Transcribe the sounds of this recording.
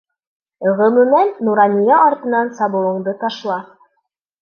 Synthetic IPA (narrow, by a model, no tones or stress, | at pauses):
ɤ̆ʁɤ̆mɵ̆mænːuɾɑnʲijɑʔːɾt̪ɤ̆nɑnsɑβɤ̆lˠɤ̆ɴd̪ɤt̪ɑʃlˠɑ